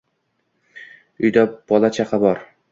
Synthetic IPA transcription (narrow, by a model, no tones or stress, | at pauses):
ʊjd̪ab̥ɒlˠat͡ʃʰaqʰɑbɒɾ